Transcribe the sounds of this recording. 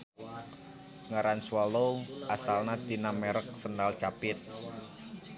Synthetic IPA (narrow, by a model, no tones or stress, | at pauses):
ŋaɾanswɔlowʔasalnad̪inamɛɾək̚səndalt͡ʃapɪt̪̚